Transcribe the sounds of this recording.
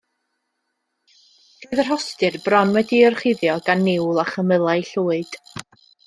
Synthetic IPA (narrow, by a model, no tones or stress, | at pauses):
seðər̥hɔstɨrbrɔnwɛdiɔrχɪðjɔɡanːɪwlˠaχəməlˠaɨɬuːɨd̥